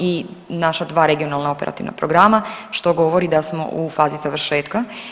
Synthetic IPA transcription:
inaʃad̪ʋaːɾeɡio̞nalˠnao̞pe̞ɾʔa̰t̪iʋna̰pɾo̞ɡɾaːmaʃt̪o̞ɡo̞ʋo̞ɾid̪asmo̞̰ʔufaːzizaʋr̩ʃe̞ːt̪ka

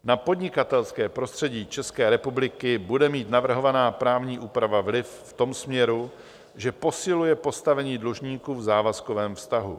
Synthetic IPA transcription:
napo̞dɲɪkat̪ɛlskɛːpɾo̞st̪r̥ɛɟiːt͡ʃɛskɛːɾɛpublɪkɪbudɛmiːt̪navr̩ɦo̞vanaːpɾaːvɲiːʔuːpɾavavlɪfft̪o̞msmɲɛɾu | ʒɛpo̞sɪlujɛpo̞st̪avɛɲiːdluʒɲiːkuːvzaːvaskovɛːmfst̪aɦṵ

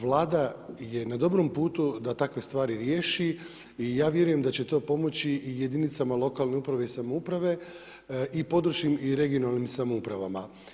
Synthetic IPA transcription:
ʋlˠaːd̪aje̞nad̪o̞bɾo̞mpuːt̪ud̪at̪akʋe̞st̪ʋaːɾiɾje̞ːʃi | ijaːʋje̞ɾuje̞md̪at͡ɕe̞t̪o̞ːpo̞mo̞t͡ɕiije̞d̪init̪samalˠo̞kalˠne̞upɾaʋe̞isamoupɾaʋe̞ | ʔipo̞d̪ɾuʃkimiɾe̞ɡijo̞nalnimsamoupɾaʋama

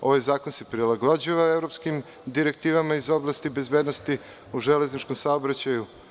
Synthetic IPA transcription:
o̞ʋajzaːko̞nse̞pɾilˠaɡod͡ʑiʋaevɾo̞pskim | d̪iɾe̞k̚t̪iːʋamaizo̞blˠast̪ibe̞zbed̪no̞st̪i | uʒele̞znit͡ʃko̞msaobɾat͡ɕaju

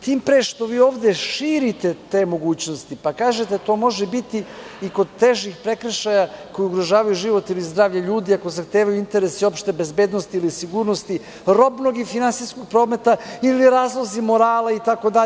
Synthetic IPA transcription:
t̪iːmpɾeʃt̪o̞ʋiːo̞ːʋd̪eʃiːɾit̪e̞t̪e̞ːmo̞ɡuːt͡ɕnost̪ipakaːʒet̪et̪o̞ːmo̞ʒɛbit̪iiko̞d̪̚t̪eʒixpɾekɾʃajako̞jiuɡɾoʒaːʋajuʒiʋo̞t̪ilizd̪ɾaːʋʎaʎuːd̪iakozaxt̪eːʋajuint̪e̞ɾesio̞pʃt̪ebezbe̞ːd̪no̞st̪iilisiɡuːɾnost̪i | ɾo̞bnoɡifinansisko̞ɡ̚pɾoːme̞t̪ailiɾaːzlˠozimo̞ɾaːlait̪ako̞d̪a

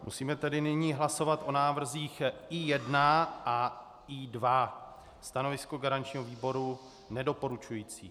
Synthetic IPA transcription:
mʔṵsiːmɛt̪ɛdɪnɪɲiːɦlaso̞vat̪ʔonaːvr̩ziːxijɛdnaʔa | idva | st̪ano̞vɪskoɡaɾaɲt͡ʃɲiːɦoviːbo̞ɾu | nɛdo̞po̞ɾut͡ʃujiːt͡sḭː

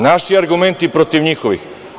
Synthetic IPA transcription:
naʃiaɾɡumɛnt̪ipɾot̪ivɲixoʋḭx

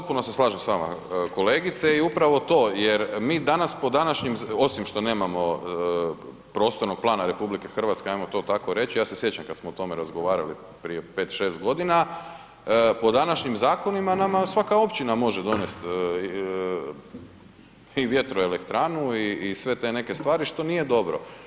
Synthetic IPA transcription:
pot̪̚puno̞se̞slˠaːʒemsʋaːma̰ko̞le̞ːɡit̪seiupɾaʋo̞t̪o̞ːjeɾmiːd̪anaspo̞d̪anaʃɲimo̞simʃt̪o̞ne̞ːmamo̞ | pɾo̞st̪oɾno̞ɡ̚plˠaːnaɾe̞publike̞xr̩ʋat̪skeajmot̪o̞ːt̪akoɾe̞t͡ɕijaːsesje̞t͡ɕamkad̪smoot̪o̞meɾazɡo̞ʋaːɾali | pɾijepe̞ːt̪ʃe̞ːst̪̚ɡo̞d̪ina | po̞d̪anaʃɲimzaːko̞nimanamasʋakao̞pt͡ɕinamo̞ʒed̪o̞ne̞st̪ | iʋje̞t̪ɾoelekt̪ɾaːnuiːsʋe̞t̪e̞ne̞ke̞st̪ʋaːɾiʃt̪o̞nije̞d̪o̞bɾo̞̰

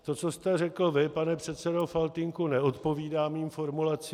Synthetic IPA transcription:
t̪o̞t͡so̞st̪ɛrɛkl̩vɪpanɛpr̝̥ɛt̪sɛdo̞falt̪ɪŋkunɛo̞t̪po̞viːdaːmiːmfo̞ɾmulat͡si

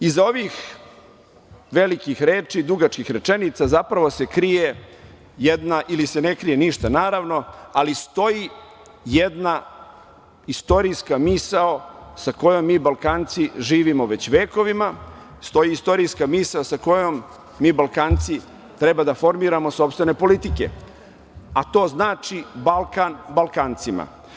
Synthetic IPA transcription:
izao̞ʋix | ʋelikixɾeːt͡ʂid̪uɡat͡ʃkixɾe̞t͡ʃe̞nit̪sazapɾaʋose̞kɾije | jed̪naʔilise̞nekɾijeniʃt̪anaːɾaʋno̞alist̪o̞ji | jed̪na | ist̪o̞ɾiskamisaosako̞jomːiːbalkaːnt̪siʒiːʋimo̞ʋe̞t͡ɕʋeːko̞ʋima | st̪o̞jiist̪o̞ɾijskamisaosako̞jomː | iːbalˠkaːnt̪si | t̪ɾebad̪afo̞ɾmiːɾamo̞sopst̪ʋe̞ne̞po̞lit̪ike̞̰ | at̪o̞ːznaːt͡ʃibalˠkanbalˠkant̪sima̰

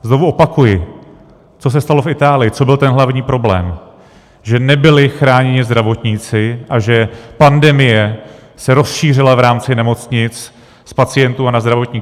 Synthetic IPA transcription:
zno̞vuʔopakujɪ | t͡so̞s̬ɛst̪alo̞fɪt̪aːlɪjɪt͡so̞bɪlt̪ɛnɦlavɲiːpɾo̞blɛ̰ːm | ʒɛnɛbɪlɪxɾaːɲɛɲɪzd̪ɾavo̞t̪ɲit͡sɪʔaʒɛpandɛmɪjɛsɛɾo̞sʃiːrɪlavɾaːmt͡sɪnɛmo̞t͡sɲɪt͡s | spat͡sɪjɛnt̪uanazd̪ɾavo̞t̪ɲiː

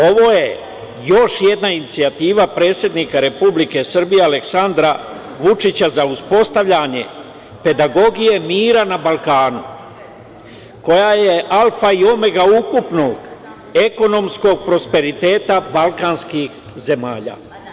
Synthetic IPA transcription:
o̞ʋo̞ːje̞ | jo̞ʃje̞d̪nainit̪siat̪iːʋapɾe̞ːt̪sʲje̞d̪nikaɾe̞publike̞sr̩bijealeksand̪ɾa | ʋut͡ʃit͡ɕazauspo̞st̪aʋʎaɲe̞̰ | pe̞d̪aɡo̞ɡije̞miːɾanabalˠkaːnu | ko̞jaje̞ʔalfaio̞me̞ɡaukupno̞ɡ | e̞ko̞no̞msko̞ɡ̚pɾo̞spe̞ɾit̪e̞ːt̪abalˠkaːnskix | ze̞ma̰ːʎa̰ː

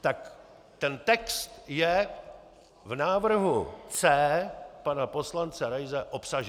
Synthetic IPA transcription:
t̪ak | t̪ɛnt̪ɛkst̪jɛ | vnaːvr̩ɦut͡sɛːpanapo̞slant͡sɛɾajzɛʔo̞psaʒ

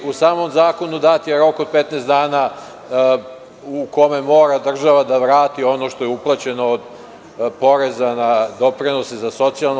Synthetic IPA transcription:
usaːmo̞mzaːko̞nud̪at̪jeɾo̞ko̞d̪̚pet̪neːst̪d̪aːna | uko̞me̞mo̞ːɾad̪r̩ʒaʋad̪aʋɾaːt̪io̞noʃt̪o̞jeuplˠat͡ɕe̞no̞ːd̪ | po̞ɾe̞zanad̪o̞pɾino̞sezaso̞t̪sialˠno

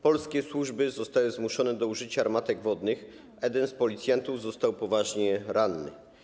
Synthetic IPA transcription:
pɔlskʲɛswuʐbɘzɔst̪awɘzmuʂɔnɛd̪ɔuʐɘt͡ɕaːɾmat̪ɛɡvɔd̪nɘx | ɛd̪ɛnspɔlʲit̪sʲjant̪uvzɔst̪awpɔvaʐɲɛɾanːɘ̰

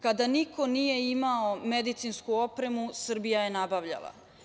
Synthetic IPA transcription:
kad̪aniko̞nije̞imaomed̪it̪sinskuopɾe̞musr̩bijaje̞nabaʋʎa̰lˠa̰

